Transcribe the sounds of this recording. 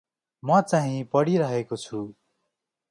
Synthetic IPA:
mʌt͡saɦĩpʌɽiɾʌɦekot͡sʰu

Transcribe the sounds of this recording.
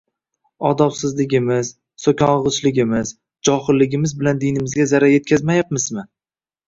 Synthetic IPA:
ɒd̪ɒfsɪzlɪɡʲɪmɪz̥ | sokʲʰɒnʁɨt͡ʃlɪɡʲɪmɪz̥ | d͡ʒɒhɪlːɪɡʲɪmɪzbɪland̪ijnɪmɪzɡʲazaɾaje̞t̪̚kʲʰazmajap̚mɪzmɪ

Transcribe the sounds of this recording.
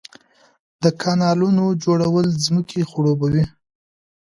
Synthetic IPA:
d̪̥əkʰɑnɑlunod͡ʒoɽawəlzməkʰexʊɽobawi

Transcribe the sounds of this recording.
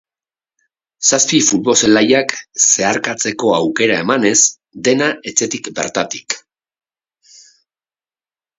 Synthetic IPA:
saspifulβo̞se̞lajakse̞aɾkat͡se̞ko̞awke̞ɾae̞mane̞s | d̪e̞naʔe̞t͡se̞t̪ikbe̞̰ɾt̪at̪i̥k

